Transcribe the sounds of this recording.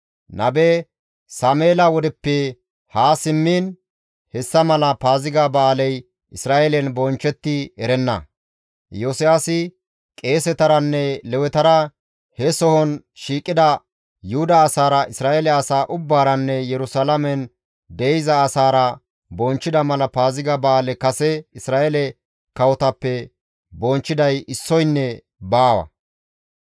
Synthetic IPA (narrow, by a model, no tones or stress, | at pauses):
nʔɐbɛ | saːmeːlɐwɔd̪ɛpːɛ | haːsɪmːiːn | hɛsːɐmɐlɐpaːzɪɡabaːlɛj | ʔɪsɾaːʔelɛnbɔnt͡ʃːɛt̪ːɪɛɾɛnːɐ̰ | joːsɪjaːsɪ | kʼe̞ːsɛt̪ɐɾɐnːɛlɛwɛt̪ɐɾɐ | hɛsɔhɔn | ʃiːkʼːɪd̪ɐ | jʊhʊd̪ɐːsaːɾɐʔɪsɾaːʔɛlɛɐsaːʔʊbːaːɾɐnːɛjɛɾʊsalɐmɛn | d̪ejzɐːsaːɾɐ | bɔnt͡ʃːɪd̪ɐmɐlɐpaːzɪɡɐbaːlɛkɐsɛɪsɾaːʔɛlɛ | kɐwɔt̪ɐpːɛ | bɔnt͡ʃːɪd̪ɐjɪsːɔjnːɛ | baːwɐ̰